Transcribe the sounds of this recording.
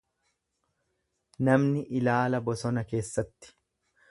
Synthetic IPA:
nɐmnɪʔɪlaːlɐbɔsɔnɐke̞ːsːɐt̪ːɪ̥

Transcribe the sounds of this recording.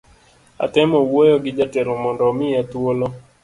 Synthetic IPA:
a̰tɛmɔwojɔɡɪd͡ʒatɛlɔmɔndɔmɪat̪wolɔ

